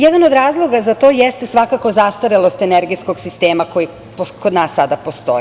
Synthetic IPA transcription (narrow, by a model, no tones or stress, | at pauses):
jed̪anod̪ɾaːzlˠo̞ɡazat̪o̞jest̪esʋakako̞zast̪oɾelˠo̞st̪eneɾɡijsko̞ɡsist̪e̞ːmako̞ji | pokod̪naːsːad̪apost̪o̞̰i